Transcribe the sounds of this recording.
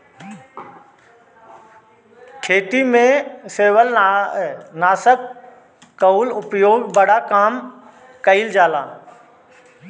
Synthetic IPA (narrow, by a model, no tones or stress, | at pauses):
kʰeːʈ̪imẽseːʋəl | naːsəkː | ɐulʊpjoːɡbɐɽakaːm | kɐild͡ʒaːlaː